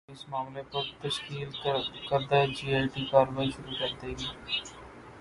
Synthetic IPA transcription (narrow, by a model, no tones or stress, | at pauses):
ɪsmaːmlepəɾt̪əʃkiːlkɐɾd̪ad͡ʒiːaːʈikaːɾʋaːiʃʊɾukɐɾd̪eɡeː